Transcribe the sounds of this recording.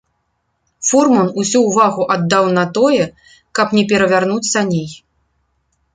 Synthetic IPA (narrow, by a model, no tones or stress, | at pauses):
fɔrmɔnusʲuːvaɣuʔad̪ːawnɐt̪ɔjɛ | kɐpnʲɛpʲɛɾɐvʲarnut̪sɐnʲej